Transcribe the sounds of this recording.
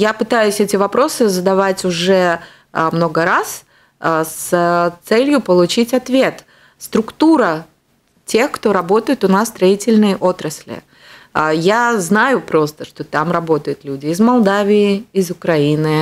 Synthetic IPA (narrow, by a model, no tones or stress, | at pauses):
japɨt̪ajʊsʲɛtʲɪvɐpɾo̞sɨzəd̪ɐvatʲʊʐɛ | mno̞ɡəɾas | st̪sɛlʲjʊpəlˠʊt͡ɕitʲɐt̪vʲe̞t̪ | st̪ɾʊkt̪uɾə | tʲe̞xkt̪o̞ɾɐbo̞t̪əjɪt̪ʊnasst̪ɾɐitʲɪlʲnɨjəʔo̞t̪ɾəsʲlʲɪ̰ | əjaznajʊpɾo̞st̪əʂt̪o̞t̪amrɐbo̞t̪əjʊt̪lʲudʲɪːzmɐlˠd̪avʲɪɪɪzʊkɾɐinɨ